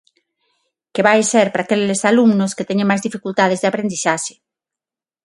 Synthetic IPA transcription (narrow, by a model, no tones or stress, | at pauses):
keβajseɾpɾaːkelesaluŋnosket̪ɛɲẽŋmajzðifikult̪að̞ezðeapɾend̪isaʃe̥